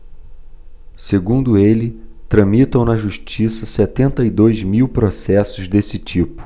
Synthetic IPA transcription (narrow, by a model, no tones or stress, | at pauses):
seɡũnd̪ʊelɪt̪ɾɐ̃mit̪ɐ̃w̃nɐʒuʃt͡ʃisɐsɛt̪ẽnt̪ɐid̪ojzmiwpɾosɛsʊzd̪esɪt͡ʃipʊ̥